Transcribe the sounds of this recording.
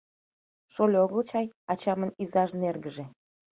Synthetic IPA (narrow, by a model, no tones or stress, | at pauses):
ʃolʲoɣəlt͡ɕɑjɑt͡ɕɑmənizɑʃnerɣəʒĕ